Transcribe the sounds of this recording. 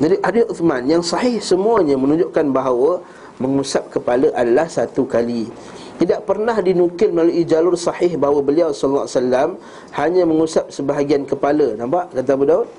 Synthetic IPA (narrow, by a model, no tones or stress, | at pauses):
d͡ʒadiʔadiuθmãnjaŋsɑhɪhsəmuaɲãmə̃nũɲd͡ʒʊʔkanbaɦawə | məŋusap̚kəpaləʔadalahsat̪ukali | t̪idaʔpərnahdinukɪlməlaluʔid͡ʒalʊrsɑhɪhbaɦawəbəliawsɔllːa̰salːam | haɲãməŋusap̚səbaɦaɡiankəpalənãmpaʔkat̪̬abudaut̪̚